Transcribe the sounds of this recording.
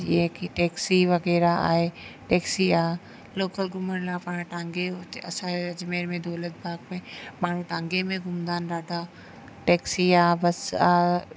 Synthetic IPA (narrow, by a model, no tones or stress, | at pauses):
jekiʈɛːksiʋɐɣɛːɾaa̰ːɦeʈɛːksiaː | loːkəlɡʊməɾlãpaːɽ̃ãʈãːŋɡeot̪ɐ̰sãɐd͡ʒmeːɾmẽd̪oːlət̪̚bʱaːɡmẽmaːɳ̤ũʈãːŋɡemẽɡʊmd̪aːnɾaːɖʱaː | ʈɛːksiaːbɐsaː